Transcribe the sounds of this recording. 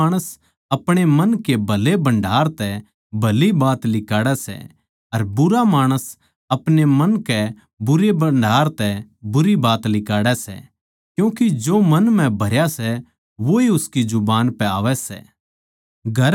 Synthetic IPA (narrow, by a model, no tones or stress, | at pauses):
ɽ̃əs | ɐpɽ̃emɐnkebʱɐlebɐ̃ɳɖʱaːɾt̪ɛ | bʱɐlibaːt̪lɪkaːɽɛsɛ̰ | ɐɾbʊɾamaːɽ̃əs | ɐpnemɐnkɛ | bʊɾebɐɳɖʱaːɾt̪ɛbʊɾibaːt̪lɪkaːɽɛsɛ̰ | kjũːkid͡ʒoːmɐnmɛ̃bʱɐɾjasɛ | ʋoiʊskid͡ʒʊbaːnpɛaːʋɛsɛ̰ː | ɡʱɐɾ